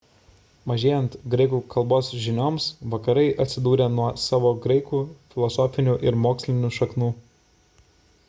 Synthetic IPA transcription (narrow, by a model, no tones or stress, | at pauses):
mɐʒʲeːjɛnt̪ɡɾɐɪkuːkʰɐlˠboːsʒʲɪnʲoːmsʋɐkɐɾɐɪʔɐt̪ʲsʲɪd̪uːɾʲenuɔsɑːʋoːɡɾɐɪkuːfʲɪlˠɔsoːfʲɪnʲuːʔɪɾmoːksʲlʲɪnʲuːʃɐknuː